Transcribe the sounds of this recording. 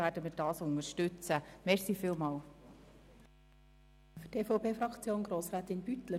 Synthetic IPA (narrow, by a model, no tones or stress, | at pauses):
æːɾdəmiːɾdɑːsʊnəʃtʏt͡səmɛrsiːfɪːlˠmɑːl | fytʰeːfopeːfrɑkt͡sjoːnɡɾoːsʁæːtɪnbyt̪lə